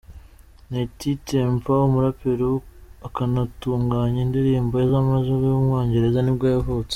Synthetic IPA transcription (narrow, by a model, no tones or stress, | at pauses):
netiteɱvawomuɾapeɾoakanatuːŋɡaɲindiɾiːmboezamazuβojumŋoːɲɟe̞ɾe̞zanibɡaːjavut͡se̥